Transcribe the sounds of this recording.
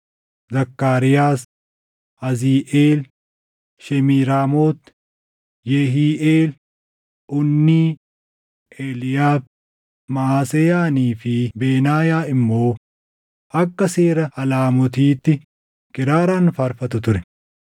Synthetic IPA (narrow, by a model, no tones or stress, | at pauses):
zɐkːaːɾɪjaːs | ɐziːʔeːl | ʃɛmiːɾaːmoːt̪ | jɛɦiːʔeːl | ʔʊnːiː | ʔeːlɪjaːb̚ | maaːsɛjaːniːfɪbeːnaːjaːɪmːo̞ː | ʔɐkːɐseːɾɐʔɐlaːmɔt̪̬iːt̪ːɪ | kɪɾaːɾaːnfɐɾfɐt̪ʊt̪ʊɾɛ